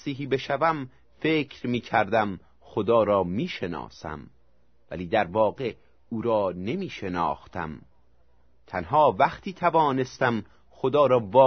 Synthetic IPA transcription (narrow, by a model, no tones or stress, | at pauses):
siːɦiːbeʃævæm | fe̞ːcʰɾmiːcʰæɾd̪æm | xod̪ɒːɾɒːmiːʃe̞nɒ̰ːsæ̰m | væ̰liːd̪æɾvɒːɢe̞ | uːɾɒːne̞miːʃe̞nɒ̰ːxt̪æ̰m | t̪ʰænɦɒːvæχt̪ʰiːt̪ʰævɒːne̞st̪æm | xod̪ɒːɾɒːvɒː